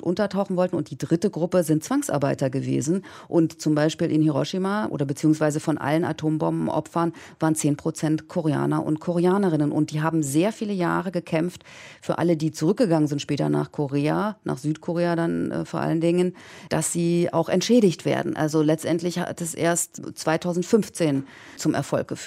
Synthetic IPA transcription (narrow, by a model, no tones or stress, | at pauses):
ʔʊntɐtʰaʊxn̩vɔltn̩ʊnt̚d̥iːdʁɪtəɡʁʊpəzɪnt̚t͡sv̥aŋsʔa̰ɐbaɪtɐɡəvḛːzn̩ | ʔʊntt͡sʊmbaɪʃpiːlʔɪ̰nhiʁɔʃimaːʔo̰ːdɾɐbət͡siːʊŋsv̥aɪzəfɔnʔa̰ləna̰tʰoːmbɔ̰mbm̩ʔɔ̰pfɐnvaːʁənt͡seːnpʁ̥ot͡sɛntkʰoʁea̰ːnɐʔʊ̰ntkʰoʁeaːnəʁɪnənʔʊ̰ntd̥iːɦaːbm̩zeːɐfiːləja̰ːʁəɡəkʰɛmftfyːɐʔa̰lədiːt͡suʁʏk̚ɡ̥əɡaŋənzɪntʃpɛːtɐna̰ːχkʰoʁeːana̰ːχz̥yːtkʰoʁeːadan̰foːɐʔa̰ləndɪŋənd̥asz̥iːa̰ʊxɛntʃɛːɾɪçtv̥ḛːɐdn̩ʔa̰lzolɛt͡stʔɛntlɪçha̰tɛsʔḛːɐstt͡sv̥aɪtʰaʊzn̩tfʏnft͡seːn | t͡sʊmʔɛ̰ɐfɔlk̚ɡ̥əf